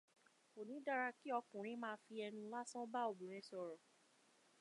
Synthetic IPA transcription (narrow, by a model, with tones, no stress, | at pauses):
o˨nĩ˨˦da˧ɾa˧ki˦ɔ˧kũ˨ɾ̃ĩ˨˦mãː˦˧˦fi˧ɛ˧nũ˧la˦sɔ̃˦ba˦o˨bũ˨ɾ̃ɛ̃˨˦sɔ˧˨ɾɔ˨